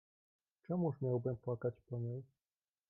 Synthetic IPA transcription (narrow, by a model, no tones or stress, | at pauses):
t͡ʂɛmuʂmʲjawbɘmpwakat͡ɕpɔɲej